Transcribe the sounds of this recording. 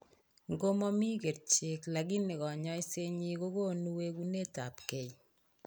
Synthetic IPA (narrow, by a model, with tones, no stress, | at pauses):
ŋɡo˦mɔ˦mi˦ke˨ɾt͡ʃe˨kla˨ɡi˦ne˨kɔ˨ɲɔ˦jse˦ɲi˦ko˦ko˦nu˦we˦ku˦ne˦ta˨pke˨j